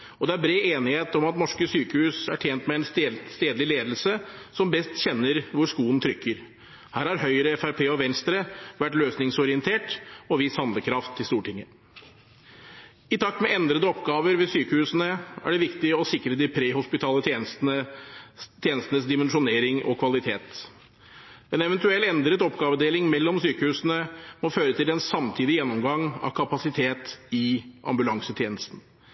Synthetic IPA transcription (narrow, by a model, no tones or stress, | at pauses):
ɔd̪ɛæɾbɾeːeːnɪheːt̪ɔmɑt̪nɔʂkəsyːkəhʉːsæʈʰjeːnt̪mɛɛnst̪eːd̪lɪleːd̪lsəsɔmbɛst̪çɛnːəɾʋʊɾʂkuːənt̪ʰɾʏkːəɾ | hæːɾhɑɾɦœʏɾəɛfæɾpʰeːɔʋɛnst̪ɾəʋæʈløːsnɪŋsɔɾɪənt̪ʰeːʈɔʋɪshɑnd̪ləkʰɾɑft̪ʰːɪlst̪uːʈɪŋːə | ɪt̪ʰɑk̚t̪mɛɛnd̪ɾəd̪əɔpɡɑːʋəɾʋɛsyːkəhʉːsənəæ̰ɖɛʋɪkt̪ɪɔsɪkɾəd̪ɪpʰɾeːhʊspɪt̪ʰɑːlət̪ʰenə | t̪ʰjeːnəst̪nəsd̪ɪmɛnʂʊneːɾɪŋɔ̰kʰʋɑlɪt̪ʰeːt̪ | ɛnɛʋɛnt̪ʉɛlːɛnd̪ɾət̪ɔpɡɑːʋəd̪eːlɪŋmɛlːɔmsyːkəhʉːsnəmɔføːɾət̪ʰɪlɛnsɑmt̪ʰiːd̪ɪjɛnːɔmɡɑŋɑ̰ʋkʰɑpɑsɪt̪ʰeːt̪ɪʔɑ̰mbʉlɑŋsət̪ʰjeːnəst̪n̩